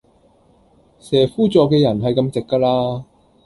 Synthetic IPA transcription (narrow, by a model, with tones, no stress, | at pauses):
sɛː˨˩fuː˥t͡sɔː˨˧k̬ːɛː˧jɐ˨˩nɦɐ˨jkɐ˧mt͡sɪ˨kːaː˧laː˧